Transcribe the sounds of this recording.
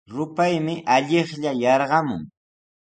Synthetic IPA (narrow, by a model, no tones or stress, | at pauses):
ɾʊpajmɪʔaʎeχʎajɑɾɢɑmʊ̰ŋ